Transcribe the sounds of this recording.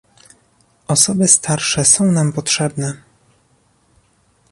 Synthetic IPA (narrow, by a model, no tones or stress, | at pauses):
ɔsɔbɘst̪ʰaɾʂɛsɔ̃w̃nampɔtʂɛbnɛ